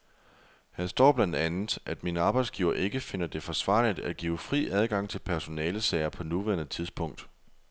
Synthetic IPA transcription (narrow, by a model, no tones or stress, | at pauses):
hænsd̥ɒ̰ːb̥lænd̥ænð̩ˠʔæd̥minəɑ̈ːb̥ɑ̈ɪd̥sɡ̥ḭːʊɐʔe̝ɡ̥əfe̝n̰ɐd̥e̝fɒ̽sʋɑ̰̈ːlid̥æɡ̥ḭːʊfʁḭːʔæð̞ˠɡ̥ɑ̈ŋ̰t͡sʰe̝lpʰæɐso̝nɛːləsɛɪɐpʰɒ̽nuʋæɐnət͡sʰið̞ˠsb̥ʰɔ̽ŋ̰d̥